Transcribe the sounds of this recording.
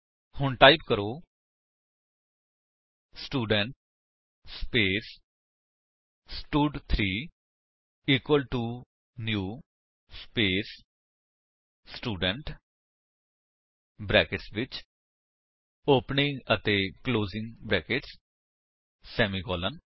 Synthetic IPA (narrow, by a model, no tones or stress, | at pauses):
hʊɳʈaːɪpkəɾoː | sʈuːɖəɳʈ | speːs | sʈuːɖt̪ʰɾiː | iːkwəlʈuː | njuː | speːs | sʈuːɖəɳʈ | bɾɛːkɪʈsʋɪt͡ʃ | oːpnɪ̃ŋət̪eːkloːzɪ̃ŋɡbɾɛːkeʈs | sɛːmiːkɔːlən